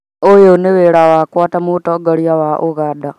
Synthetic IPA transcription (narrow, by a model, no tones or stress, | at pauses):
ojoneβeɾawakwaːtamutoɡaɾjawaʔuɣada